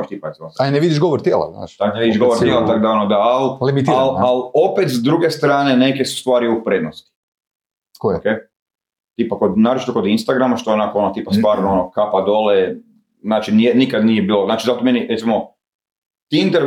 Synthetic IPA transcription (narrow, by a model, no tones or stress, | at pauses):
t͡ʃt̪iːpaet̪imoaneʋid̪iʃɡoʋoɾt̪jeːlˠa̰zna̰ːʃt̪akneʋid̪iʃɡo̞ʋoɾt̪jelat̪akd̪aonod̪aallimit̪ialalo̞pet̪zd̪ɾuɡest̪ɾaːne̞ne̞kesu̥st̪ʋaːɾiupɾed̪nost̪i̥ | kookeː | t̪ipakod̪naːɾot͡ʃi̥t̪oko̞d̪inst̪aɡɾamaʃt̪oonakoonot̪iːpast̪ʋaːɾnoonokapad̪ole | znaːt͡ʃinijenikad̪nijebiːlˠoznaːt͡ʃizat̪omeniɾet̪imo | t̪iint̪eɾ